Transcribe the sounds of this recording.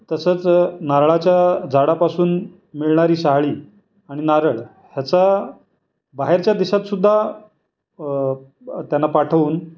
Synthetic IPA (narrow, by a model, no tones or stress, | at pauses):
t̪əsəːt͡snaɾɭat͡ɕjad͡zʱaɽapasuːn | miɭɳaɾiːɕaɦɭiː | aɽ̃inaɾəɭ | hjat͡sa | baɦeɾt͡ɕjad̪iɕat̪sud̪ʱːa | t̪janːapaʈʰəʋuːn